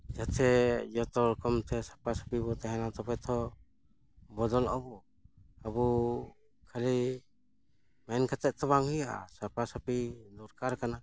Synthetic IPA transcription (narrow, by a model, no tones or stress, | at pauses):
d͡ʒat̪ʰɛd͡ʒɔt̪ɔɾkɔmt̪ʰɛsapasɔ̥pibɔt̪ɛɦɛnat̪ɔpɛt̪ʰɔ | bɔd̪ɔlɔbɔ | abu | kʰali | mɛnkat̪ɛʔ̪̚t̪ʰɔβaŋhujaʔa̰sapasapid̪ɔɾkaɾkana